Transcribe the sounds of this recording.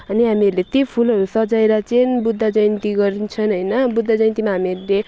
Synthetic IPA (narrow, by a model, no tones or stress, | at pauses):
ʌniɦamiʌɾulet̪jepʰulɦʌɾusʌd͡zaeɾat͡senbud̪ʱːad͡zʌjnt̪iɡʌɾint͡sʰʌnɦʌjnʌbud̪ʱːad͡zʌjnt̪imaɦamiʌɾule